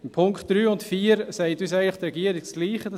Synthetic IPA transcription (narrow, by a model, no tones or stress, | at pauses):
pʰʊŋkχtd̥ɾyːʊntfiːəɾsɛɪtyːs̬æɪɡləχt̪ɾɛɡiːəɾɪk̚t͡sliːχəd